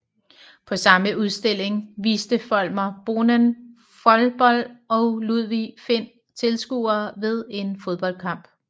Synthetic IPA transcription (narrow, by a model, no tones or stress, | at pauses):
pʰɒ̽sɑ̈məʔuð̞ˠsd̥e̝l̰e̝ŋʋiːsd̥əfɒ̽l̰mɐb̥o̝nən | fɒlb̥ɒ̽l̰d̥ɒ̽ʊluð̞ˠʋife̝n̰ | t͡sʰe̝lsɡ̥ṵːɐːʋe̝ð̞ˠe̝nfo̝ðˠb̥ɒ̽l̰d̥̚kʰɑ̈m̰b̥